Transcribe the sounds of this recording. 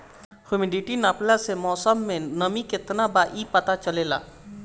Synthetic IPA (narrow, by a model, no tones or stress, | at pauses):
hjʊmɪɖɪʈinaːplasemɔːsəmːẽnɐmikɪt̪nabaːʔipɐt̪at͡ʃɐleːla̰ː